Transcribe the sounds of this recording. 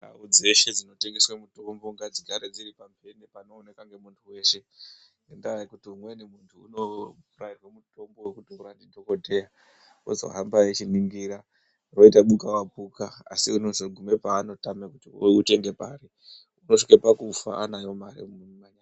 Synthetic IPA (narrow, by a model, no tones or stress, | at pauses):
nda̰ud͡ze̞ʃe̞d͡zino̞teŋɡeswamuto̞mbo̞ŋɡad͡zikaɾed͡ziɾipampenepano̞ːne̞kaŋɡe̞muntʰuwe̞ːʃe̞ | nendaaikutiumwenemuntʰṵːno̞rairwamuto̞mbo̞wekutiuɾandidʱo̞ko̞dʱe̞ja | ozo̰ɦambajet͡ʃiniŋɡiɾa | ro̞itaɓukawapukaa̰siunozoɡʱume̞paːno̞tamekutiute̞ŋɡe̞paːɾi | uno̞ʂikapakufa̰ʔanajo̞maɾḭmaɲa